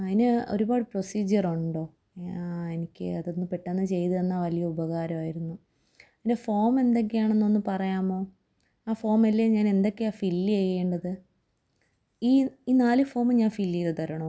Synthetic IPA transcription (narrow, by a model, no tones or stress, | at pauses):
ɐðinɨo̞̰ɾubaːɽɨpro̞siːd͡ʑɐruɳɖo̞ː | e̞nikʲːɨ̰ɐðonːɨpeʈːaːnːɨt͡ɕe̞jt̪ɨenːaːʋɐlijɐubɐɣaːɾɐmaːjiɾunːu | ðindefo̞ːme̞nd̪e̞k̬ːejaːɳenːo̞nːɨpɐrɐjaːmo̞ː | aːfo̞ːmɐlːeːɲaːne̞nd̪o̞kːe̞aːfilːiejeːɳɖɐðɨ | iːiːnaːlɨfo̞ːmɨɲaːnfilːijilt̪ɐɾɐɳo